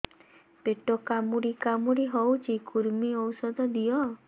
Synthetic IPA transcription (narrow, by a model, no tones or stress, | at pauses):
peʈɔkamuɽikamuɾiɦɔwt͡ʃʰikuɾmiɔwsɔd̪ɔd̪ijɔ